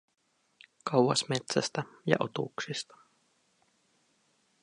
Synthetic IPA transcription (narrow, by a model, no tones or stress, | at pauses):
kɑwɑsmet̪sæst̪æjɑ̰ʔo̰t̪ṵksist̪ɑ̥